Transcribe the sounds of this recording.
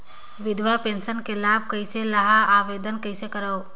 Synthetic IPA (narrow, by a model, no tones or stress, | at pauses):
ʋɪd̪ʋapensənkelaːb̚ʱkəɪselɐɦaaːʋed̪ənkəɪsekəɾəw